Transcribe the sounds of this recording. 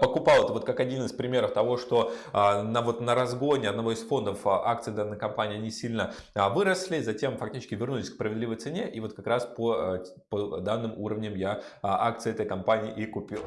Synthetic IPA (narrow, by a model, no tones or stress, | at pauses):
pəkʊpɑlˠɛt̪əvo̞t̪kakɐdʲinɨspɾʲɪmʲeɾəft̪ɐvo̞ʂt̪o̞nəvo̞t̪nəɾɐzɡo̞nʲɪɐd̪nɐvo̞ɪsfo̞nd̪əfʔak̚t̪sɨd̪anːəjkɐmpanʲɪːɐnʲisʲilʲnə | vɨɾəslʲɪzɐtʲe̞mfɐk̚tʲit͡ɕɪ̥sʲkʲɪvʲɪrnulʲɪsʲkspɾəvʲɪd̪lʲivəjt̪sɨnʲe̞ʔivo̞t̪̚kɐkɾaspo | pod̪anːɨmuɾəvnʲɪmjaʔak̚t̪sɨjɛt̪əjkɐmpanʲɪːʔikʊpʲilˠ